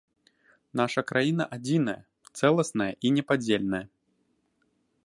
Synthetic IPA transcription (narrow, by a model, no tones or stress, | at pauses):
naʂɐkɾajinɐ̰ʔad͡zʲinɐjɐ̰ | t̪sɛlˠɐsnɐjɐʔinʲɛpad͡zʲelʲnɐjɐ